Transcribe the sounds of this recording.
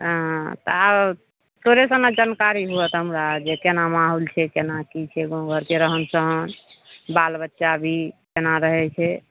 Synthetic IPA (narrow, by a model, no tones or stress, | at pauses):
ɦt̪əab | t̪oɾesə̃nad͡ʒankaɾiɦuət̪ɦəmɾad͡ʒekenamaɦult͡ʃʰɛkenakit͡ʃʰɛɡõɡʱəɾkeɾəɦənsəɦənbalbətːʃabʱikenaɾəɦɛt͡ʃʰɛ